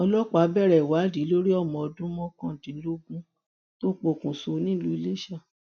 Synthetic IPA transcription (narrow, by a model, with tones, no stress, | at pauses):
ɔ˧lɔ˦k͡pa˨˦bɛ˦˨ɾɛ˨wa˨˦di˨˦lo˦ɾi˦ɔ˦˨mɔ̃˨ɔ˧dũ˦mɔ̃˦kã˦˨dĩ˨˦lo˦ɡũ˦ | to˦k͡po˧˨kũ˨so˧˨˦nĩ˦lu˦i˧le˦ʃa˦˨